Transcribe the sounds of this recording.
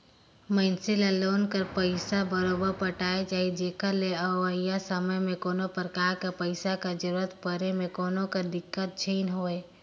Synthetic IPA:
məɪnsɪlaloːnkəɾpəɪsabəɾoːbəɾpəʈaːet͡ʃaːɦid͡ʒeːkəɾleəʋəijasəməjmẽkoːnopəɾkaːɾkapəɪsakad͡ʒəɾuːɾət̪pəɾemẽkoːnõkad̪ɪkːət̪̚t͡ʃʰiːnɦoːeː

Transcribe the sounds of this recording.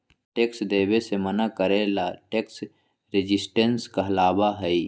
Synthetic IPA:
ʈeːksd̪eːbesemənakəɾelaʈeːks | ɾed͡ʒɪsʈenskaɐlaːbaɦɛi

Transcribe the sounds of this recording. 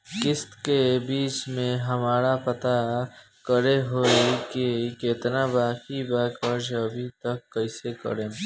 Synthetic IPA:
kɪskebiːt͡ʃmẽɦɐmaːɾapət̪a | kəɾeɦoːekikɪɪt̪nabaːkibaːkəɾd͡ʒɐbʱit̪əkːəɪsekə̰ɾẽː

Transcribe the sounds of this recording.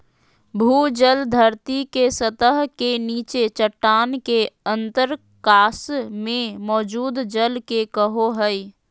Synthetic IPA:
bʱuːd͡ʒəld̪ʱəɾt̪ikesət̪əɦkeniːt͡ʃet͡ʃəʈːaːnkeə̃nt̪əɾ | kaːsmẽmɔːd͡ʒuːd̪d͡ʒəlkekəɦoɦəi

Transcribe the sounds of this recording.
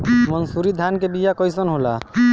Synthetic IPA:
mənsuɾid̪ʱankebijakɔjsənɦola̰

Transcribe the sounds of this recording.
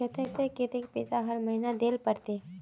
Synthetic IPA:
et̪et̪eket̪ekpeːsaɦəɾmɐɦinad̪eːlpəɽt̪e

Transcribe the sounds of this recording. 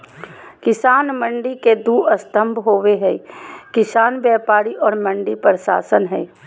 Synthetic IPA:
kɪsaːnmə̃ɳɖiked̪uːɐst̪ə̃mbʱɦoːʋeɦɛːkɪsaːnbɛːpaːɾiʔɔːɾmə̃ɳɖipəɾʃa̰ːsənɦɛː

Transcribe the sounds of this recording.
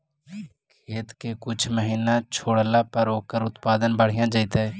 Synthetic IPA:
kʰeːt̪kekʊt͡ʃʰməɦiːnãt͡ʃʰoːɽlaːpəɾoːkəɾʊt̪paːd̪ənbəɽ̤ɪjãːd͡ʒaɪt̪aɛː

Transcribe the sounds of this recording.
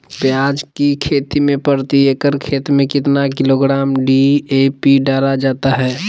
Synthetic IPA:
pjaːd͡ʒkikʰeːt̪imẽpəɾt̪iekəɾkʰeːt̪mẽkɪt̪nakɪloɡɾaːmɖiepiɖaːɾad͡ʒaːt̪aɦɛː

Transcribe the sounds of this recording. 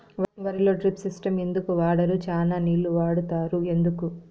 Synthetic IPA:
ʋʋɐɾilo̞ːʈɾipsisʈɐme̞nd̪ukuʋaːɽɐɾut͡ʃaːnaːniːlːuʋaːɽut̪aːɾue̞nd̪uku

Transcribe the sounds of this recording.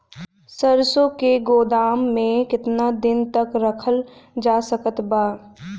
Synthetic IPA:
səɾsokeɡoːd̪aːmːẽkɪt̪nad̪ɪnt̪əkɾəkʰəld͡ʒaːsəkət̪baː

